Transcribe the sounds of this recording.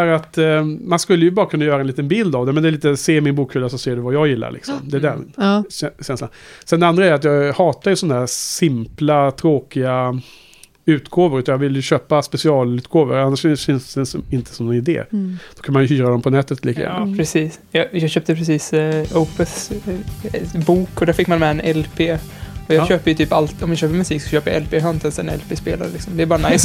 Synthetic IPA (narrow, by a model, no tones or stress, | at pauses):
æɾat̪manskɵlːəjɵbɑːɾakʰɵnːajœːɾaɛnliːt̪ənbɪld̪avd̪ɛmɛnd̪ɛːliːt̪əseːmɪnbuːkfʏlːasɔseːɖɛvajɑːjɪlːa̰ɾɭʔɪ̰ksɔ̰md̪ɛːdɛ̰nɛɕɛnsla̰nsɛnd̪ɛand̪ɾaæɾat̪jɑːɡhɑːt̪aɾjɵsɔndad̪æːɾsɪmplat̪ʰɾoːkɪɡa | ʉ̟ːt̪ɡoːvəɾʉːt̪anjɑɡvɪljɵɕøːpaspɛsɪɑːlʉ̟ːt̪ɡoːvə̰ɾanːaʂfɪfɪnsd̪ɛsɪnt̪ʰə̥sɔmnɛnɪd̪ḛːd̪̥ɔkʰanmanjəçyːɾad̪ɔmpʰɔnɛt̪ːət̪liːkə̰jæ̰nːa̰pʰɾɛsiːs | jɑjɑɡɕøːp̚t̪əpʰɾɛsiːsopɛs | buːkɔd̪æɾfɪkːmanmɛɛnɛlpʰeː | ɔjɑːɕøːpəɾjɵt̪ʰyːpalt̪ɔmjaɕøːpəɾmɵsiːksɔɕøːpəɾja̰ʔɛlpʰeːɦœnt̪ʰɛnsɛ̰nɛ̰lpʰeːspeːla̰ɾəlɪksɔmd̪ɛːbɑːɾanajs